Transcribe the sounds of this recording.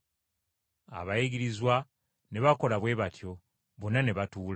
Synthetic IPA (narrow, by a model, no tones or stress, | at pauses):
a̰βaiɡiɾizwa | ne̞βako̞laβwe̞ːβatjo̞ | βonaneβatuːl